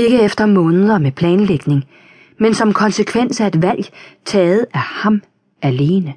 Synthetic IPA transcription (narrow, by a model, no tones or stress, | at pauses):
e̝ɡ̥əefd̥ɐmɔ̽ːnəð̞̩ˠɐmepʰlɛːnleɡ̥ne̝ŋ | mensɒ̽mkʰɒ̽nsəkʰʋen̰sæe̝d̥ʋæl̰jt͡sʰɛːð̞̩ˠæhɑ̈m | æle̝ːnə